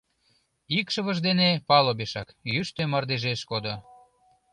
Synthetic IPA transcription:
ikʃəβəʒd̪enepɑlobeʃɑkjyʃt̪ømərd̪eʒeʃkod̪o

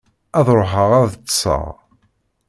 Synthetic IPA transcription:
æðˤɾˤoħəʁæðsˤə̰ʁ

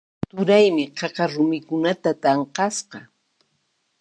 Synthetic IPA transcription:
t̪ʊɾajmɪqʰɑqɑɾʊmɪkʊnat̪at̪ɑɴqɑsqɑ

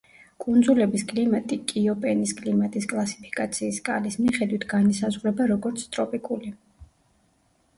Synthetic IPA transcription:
kʼund̪zulɛbiskʼlimat̪ʼikʼiɔpʼɛniskʼlimat̪ʼiskʼlˠasi̥pʰi̥kʼat̪sʰiːskʼalismiχɛd̪wit̪ʰɡanmisazʁɾɛbaɾɔɡɔɾt̪sʰt̪ʼɾɔpʼikʼuli

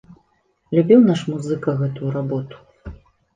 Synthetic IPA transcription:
lʲubʲiwnaʂmuzɨkɐɣɛt̪ujuɾabɔt̪u̥

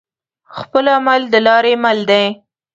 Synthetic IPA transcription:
xpəlamald̪əlɑɾemald̪aj

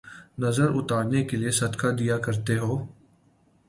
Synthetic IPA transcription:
nəzəɾʊt̪aːɾnekeliesɐd̪kʰad̪ijakəɾt̪eɦoː

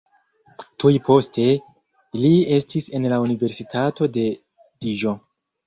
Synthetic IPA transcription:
tujpʰo̞stʰe̞ | lie̞stise̞nlaunive̞ɾsitʰato̞de̞ | diʒo̞

